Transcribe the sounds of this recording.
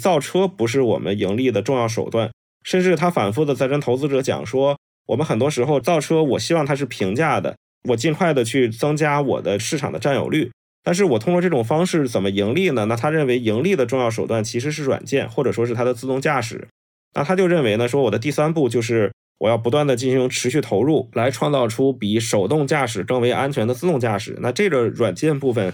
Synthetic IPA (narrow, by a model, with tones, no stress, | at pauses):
t͡sɑ˥˩ʊʈ͡ʂʰɤ˥pu˧˥ʂ̬ɻ̩˥˩wɔ̰˨˩mə̰˦ni˧˥ŋli˥˩d̪ə˩ʈ͡ʂʊ˥˧ŋjɑ˥˩ʊʂ̬o˨˩ʊt̪wa˥˩n | ʂə˥˧nʈ͡ʂɻ̩˥˩t̪ʰa˥fa̰˨˩nfu˥˩d̪ə˨˧t͡sa˥˩ɪʈ͡ʂə˥nt̪ʰo˧˥ʊt͡sɹ̩˥ʈ͡ʂɤ˧˥t͡ɕjɑ̰˨˩ŋʂwɔ˥ | wɔ˨˩mə˦nxə˨˩nt̪wɔ˥ʂɻ̩˧˥xo˥˧ʊt͡sɑ˥˩ʊʈ͡ʂʰɤ˥wɔ˨˩ɕi˥wɑ˥˩ŋt̪ʰa˥ʂ̬ɻ̩˥˩pʰi˧˥ŋt͡ɕja˥˩d̪ə̰˩ | wɔ˨˩t͡ɕi˥˧ŋkʰwa˥˩ɪd̪ə˩t͡ɕʰy˥˩t͡sɤ˥ŋt͡ɕja˥wɔ̰˨˩d̪ə˦ʂɻ̩˥˩ʈ͡ʂʰɑ˨˩ŋd̪ə˦ʈ͡ʂa˥˩njo̰˨˩ʊly˥˩ | t̪a˥˧nʂ̬ɻ̩˥˩wɔ˨˩t̪ʰʊ˥ŋkwɔ˧ʈ͡ʂɤ˥˩ʈ͡ʂʊ˨˩ŋfɑ˥ŋʂɻ̩˥˩t͡sə˨˩nmə˦i˧˥ŋli˥˩nə˩na˥˩t̪ʰa˥ɻə˥˩nwe˧˥ɪi˧˥ŋli˥˩d̪ə˩ʈ͡ʂʊ˥˧ŋjɑ˥˩ʊʂo˨˩ʊt̪wa˥˩nt͡ɕʰi˧˥ʂ̬ɻ̩˧˥ʂ̬ɻ̩˥˩ɻwa̰˨˩nt͡ɕjɛ˥˩nxwɔ˥˩ʈ͡ʂɤ˨˩ʂwɔ˥ʂɻ̩˥˩t̪ʰa˥d̪ə˨t͡sɹ̩˥˧t̪ʊ˥˧ŋt͡ɕja˥˩ʂɻ̩̰˨˩˦ | na̰˥˩t̪ʰa˥t͡ɕjo˥˧ʊɻə˥˩nwe˧˥ɪnə˧ʂ̬wɔ˥wɔ˨˩d̪ə˦t̪i˥˩sa˥npu˥˧t͡ɕjo˥˧ʊʂ̬ɻ̩˥˩ | wɔ˨˩jɑ˥˩ʊpu˧˥t̪wa˥˩nd̪ə˩t͡ɕi˥˩nɕi˧˥ŋʈ͡ʂʰɻ̩˧˥ɕy˥˩t̪ʰo˧˥ʊɻu˥˩la˧˥ɪʈ͡ʂʰwɑ˥˧ŋt͡sɑ˥˩ʊʈ͡ʂʰu˥pi˨˩ʂo˨˩ʊt̪ʊ˥˧ŋt͡ɕja˥˩ʂɻ̩˨˩ʈ͡ʂɤ˥ŋwe˧˥ɪʔa˥nt͡ɕʰɥɛ˧˥nd̪ə˧t͡sɹ̩˥˧ʊ˥˧ŋt͡ɕja˥˩ʂɻ̩̰˨˩˦na˥˧ʈ͡ʂɤ˥˩ɡə˩ɻwa˨˩nt͡ɕjɛ˥˧npu˥˩fə˩n